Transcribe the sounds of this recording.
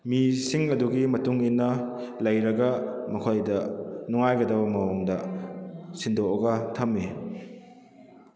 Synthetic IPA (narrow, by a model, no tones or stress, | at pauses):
misiŋɐduɡimɐtuŋinːɐlɐjɾɐɡɐmɐkʰojdɐnuŋajɡɐdɐbɐmɐwoŋdɐ | sindoɐɡɐtʰɐmːi